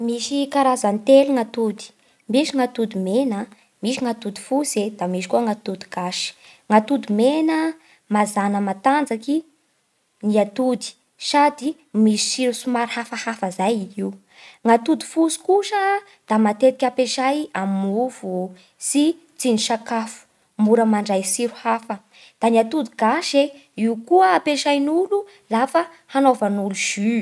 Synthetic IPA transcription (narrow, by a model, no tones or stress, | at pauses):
miʃikaɾazant̪eluŋat̪ud̪i̥ | miʃiŋat̪ud̪imenə | miʃiŋat̪ud̪i̥fused̪̥amiʃi̥kuəŋat̪ud̪iɡaʃi̥ŋat̪ud̪imenə | mazanəmat̪and͡zaki | niat̪ud̪i̥ | sad̪i | misi̥siɾusumaɾhafahafəzajii | ŋat̪ud̪i̥fusu̥kuʃə | d̪̥amat̪et̪ikʲapeʃajamuvu | si | t͡siniʃakafu̥ | muɾəmaɳɖ͡ʐajsiɾuhafə | d̪̥aniat̪ud̪iɡaʃeiukuəapeʃajnulu | lafə | hanovanuluʒ̥y